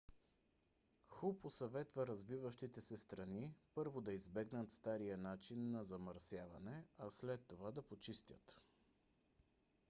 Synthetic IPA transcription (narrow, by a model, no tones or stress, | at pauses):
xuposɐvɛt̪vəɾɐzvivəʃt̪it̪ɛsɛst̪ɾɐnipɤɾvod̪ɐizbɛɡnət̪st̪aɾijənat͡ʃinːɐzɐmɐɾsjavɐ̰nɛɐslɛt̪ːovad̪ɐpot͡ʃist̪ʲə̰t̪